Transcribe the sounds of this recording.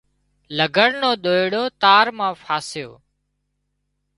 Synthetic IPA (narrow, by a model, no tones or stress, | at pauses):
ləɡʱəɽnoːɗ̪oːɪɽoːt̪aːɾmãːfʰaːsɪjo̰ː